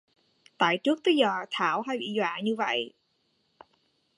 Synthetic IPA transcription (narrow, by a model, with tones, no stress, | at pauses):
t̪a̰ː˧˨jt͡ɕɨ˦˥ək̚t̪ə˨˦jzəː˨˩t̪ʰaː˧˩wɦa˧jɓḭ˧˨zwa̰ː˧˨ɲɨ˧və̰˧˨j